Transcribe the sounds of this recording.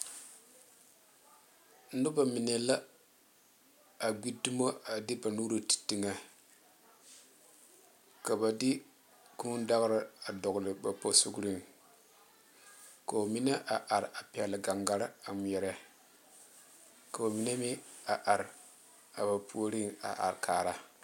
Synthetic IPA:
n̩˦dʊ˦ba˨mi˨ne˨la˦ | a˨ɡʷi˦du˦mo˦a˨di˦ba˨nu˦ɾo˨ti̥˨ti˨ŋa˨ | ka˨ba˨dɪ˦ | ku˦n˦da˦ɣɾɪ˦a˨dɔ˨ɡlɪ˨ba˨po˨su˦ɡɾi˦ŋ | ka˨o˨mi˦na˦ʔa˨ʔa˨ɾa˨pi˨ɛ˨lɪ˨ɡa˨ŋɡa˦ɾa˨m˨ɛ˨ɾɛ˦ | ka˨ba˨mi˨ne˦mɪ˦a˨ʔa˨ɾ | a˨ba˨pʰu˦o˦ɾi˦ŋa̰˨ʔa̰˨ɾkʰaː˨ɾa˦

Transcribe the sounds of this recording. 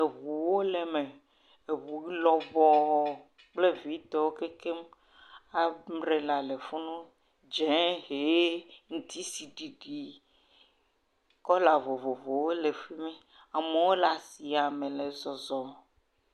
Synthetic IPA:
e˨βu˨wo˦le˨me˨ | e˨βu˨i˦lɔ˨vɔ˦˨ | k͡ple˦vi˨˦t̪ɔ˨wo˦ke˦ke˦m | a˨mɾe˨la˨le˨fu˦nũ˦ | d͡ʒɛ̃˦ɦe˨˦ŋũ˦t̪ʰi˦si˨ɖi˨ɖi˨ | kɔ˦la˨vo˨vo˨vo˨wo˦le˨fi˦mɛ̃˦ | a˨me˨wo˦la˨si˨a˨mẽ˨le˨zɔ˨zɔ˨

